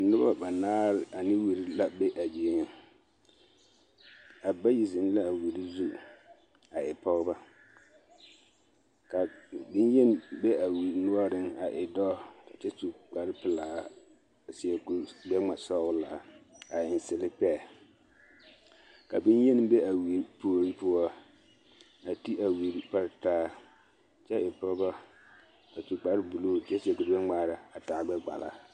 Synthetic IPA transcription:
nʊ˦ba̰˦ba˨naː˦lɪ˨a˨nɪ˦wi˨ɾi˦la˨be˦ʔa˨d͡ʒeː˨˦ɲɪ˦ŋ | a˨ba˦ji˨zɪ˨n˦la˦˨wu˨ɾi˦zu˦ | a˨ɪ˨pɔ˦ɣba˦ | ka˨bɪ˦n˦jɛ˦n˦be˦a˨wu˨nʊ˦ɔ˦ɾɪ˦ŋa˨ʔɪ˨dɔː˦ka˨t͡ʃɛ˦tu˨k͡pa˨ɾɪ˦pɪ˨laː˦˨ | sɪ˨ɛ˨ku˨ɡ͡bɛ˦ŋ͡ma˨sɔ˦wʊ˦la̰˨a˨ɪ˨n˨sɪ˨lɪ˦pɛː˦˨ | ka˨bi˦njɛ˦n˦be˦a˨wi˨ɾpu˨˦o˨ɾi˦pʊ˦ɔ˦ | a˨ti˦a˨wi˨ɾi˦pa˦ɾtaː˦ | t͡ʃɛ˦ʔɪ˨pɔ˦bɔ˦ | ka˨tu˨ɡ͡ba˨ɾɪ˦bu˨lu˦˨˦ɛ˦sɪ˨ɛ˨ku˨ɾbɛ˦ŋ͡maː˦ɾa˨a˨taː˨ɡ͡bɛ˦ɡ͡ba̰˨la̰˦

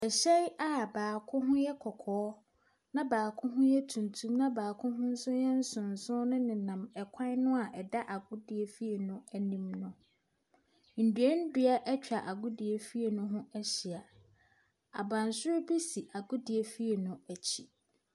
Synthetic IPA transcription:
ɛ˨ɕɛ˦ja˦baː˨kʰʊ̃˦ɦʊ̃˦jɛ˦kʰɔ˨kʰɔː˨˦ | nã˦baː˨kʰʊ̃˦ɦʊ̃˦jɛ˦tʰũ˨ntʰũ˦mnã˦baː˨kʰʊ̃˦ɦʊ̃˦n̩˦sʊ˦jɛ˦n̩˦sʊ̃˨n̩˨sʊ̃˦nʊ̃˦nɪ̃˨nã˨mɛ˨kʰã˦n˦nʊ̃˦a˨ʔɛ˨da˦ʔa˨ɡʊ˦di˨e˨fi˦e˨nʊ̃˦æ˨nĩ˦mnʊ̃˨ | n̩˨dɥe˦n̩˦dɥa˦ʔɛ˦t͡ɕᶣa˨ʔa˨ɡʊ˦di˨e˨fi˦e˨nʊ̃˦ɦʊ̃˦æ˦ɕi˨a˨ | a̰˨bã˨n˨sʊ˦ɾbi˦si˨ʔa˨ɡʊ˦di˨e˨fi˦e˨nʊ̃˦æ˨t͡ɕʰi˨

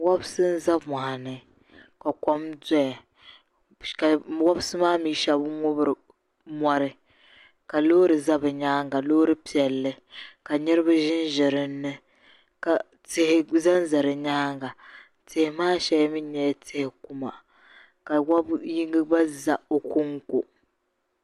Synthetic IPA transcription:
wa˦bsɨ˦n̩˦za˦ma˨ha˨nɨ˨ | ka˨kɔ˦mda˦ja˨ | ka˨wɔ˦bsɨ˦maː˦miː˦ʃa˨bŋʊ˦bɾ | mɔ˦ɾɨ˦ | ka˨loː˦ɾɨ˨za˦bɨ˨ɲaː˦ŋɡa˨loː˦ɾɨ˦pi˨ɛ˨lːɨ˦ | ka˨ɲɛ˦ɾɨ˦ba˦ʒɪ˦n˦ʒɛ˨ɾɨ˦nːɨ˦ | ka˨ | tɪ˦hɪ˦za˦n˦za˨ɾɨ˨ɲaː˦ŋɡa˨ | tɪ˨hɪ˨maː˦ʃɛ˦jmi˦ɲ˦ɲɛ˨jtɪ˦hɪ˨ku˦ma̰˨ | ka˨wa˦bji˦ŋɡɨ˦ba˦za˨o˨kʊ˦ŋko˨

